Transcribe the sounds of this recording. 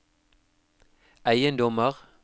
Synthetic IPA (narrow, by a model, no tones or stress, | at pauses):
æɪənd̪ɔməʁ